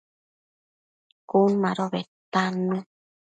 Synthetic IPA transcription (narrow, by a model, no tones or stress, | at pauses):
kunãɾoβet̪anɨ̃